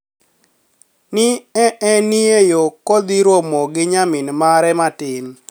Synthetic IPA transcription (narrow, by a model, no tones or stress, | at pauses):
nɪɛʔɛniejokod̪iɾomɔɡɪɲamɪnmaɾɛmatɪn